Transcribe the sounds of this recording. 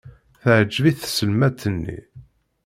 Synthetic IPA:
θəʕd͡ʒːviθsəlmæt̪ːənːḭ

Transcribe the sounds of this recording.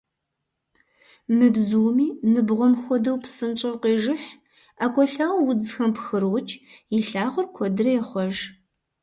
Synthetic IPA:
mɨbzuːmiːnɨbʁʷɔmxʷɔdɐwpsɨnt͡ʃʼɨwqeːʒɨħ | akʷʼɔɬaːwwʊd͡zxɐmpxɨɾwt͡ʃʰʼjɪɬaːʁʷʊrkʷʰɔdɨrɐjɛχʷɔʒ

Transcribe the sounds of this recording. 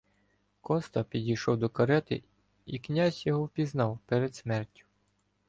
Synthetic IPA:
kɔst̪ɐpʲidʲijʃɔwd̪ɔkɐɾɛt̪ɪ̰ | iknʲazʲjɔɦɔwpʲiznɑwpɛɾed̪smɛrtʲʊ̥

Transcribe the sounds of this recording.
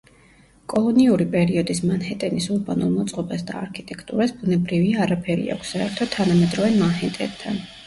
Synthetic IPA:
kʼɔlˠɔniuɾipʼɛɾiɔd̪ismanhɛt̪ʼɛnisuɾbanṵlˠmɔt̪sʼqʼɔbasd̪a̰ːɾkʰit̪ʼɛkʰt̪ʼuɾasbunɛbɾiviaːɾapʰɛɾḭa̰kʷʰsːaɛɾt̪ʰɔt̪ʰːanamɛd̪ɾɔvɛnmahɛnt̪ʼɛ̰b̚t̪ʰan

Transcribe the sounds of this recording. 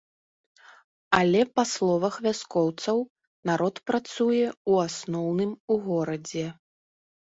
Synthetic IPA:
alʲɛpaslˠɔvɐxvʲaskɔwt̪sɐw | naɾɔt̪pɾat̪sujɛuasnɔwnɨmuɣɔɾɐd͡zʲɛ

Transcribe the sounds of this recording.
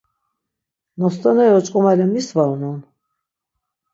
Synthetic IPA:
nɔst̪ʼanɛjɔt͡ʃʼkʼɔmalɛmisvaunɔn

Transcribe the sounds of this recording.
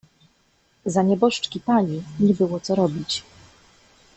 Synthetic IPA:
zaɲɛbɔʂt͡ʂkʲipaɲiɲɛbɘwɔt̪sɔɾɔbʲit͡ɕ

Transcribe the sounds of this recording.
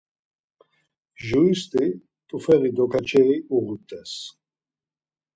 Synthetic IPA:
ʒuist̪ʼi | t̪ʼufɛɣid̪ɔkʰat͡ʃʰɛiuʁut̪ʼːɛs

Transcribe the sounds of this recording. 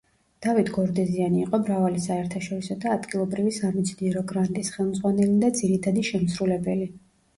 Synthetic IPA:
d̪̥avit̪ʰɡɔɾd̪ɛzianiːqʼɔmɾavalisaɛɾt̪ʰaʃɔɾisɔd̪aːd̪ɡilˠɔbɾivisamit̪sʰniɛɾɔɡɾant̪ʼisχɛlˠmd̪zʁwanɛlid̪ad̪ziɾit̪ʰad̪iʃɛmsɾulɛbɛli

